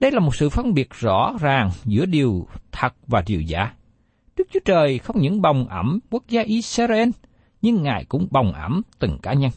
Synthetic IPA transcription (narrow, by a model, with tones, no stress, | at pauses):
ɗə˧jlaː˨˩mo˨˩t̚sɨ̰˧˨fə˧nɓi˨˩ət̚zɔ̰˧˥zaː˨˩ŋzɨ̰˧˥əɗi˨˩əwt̪ʰə˨˩t̚vaː˨˩ɗi˨˩əwza̰ː˧˩ | ɗɨ˦˥k̚t͡ɕu˨˦ət͡ɕəː˨˩jxə˧wŋ͡mɲɨ̰˧˥ŋɓa˨˩wŋ͡mʔə˧˩mku˦˥ək̚zaː˧ʔi˧saː˧ze˧n | ɲɨ˧ŋːa̰ː˧˨jkʊ̰˧˥ŋ͡mɓa˨˩wŋ͡mʔə˧˩mt̪ɨ˨˩ŋkaː˨˦ɲə˧n